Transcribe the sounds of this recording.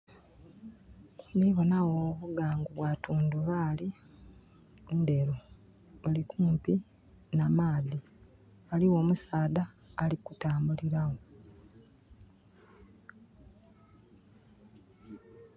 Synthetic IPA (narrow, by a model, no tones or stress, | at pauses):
niβo̞nawoβuɡaːŋɡuβwatuːnduβali | endeɾo | olikuːmpi | namaːði | aliwo̞ːmusaːdaː | likutaːmbuliɾawo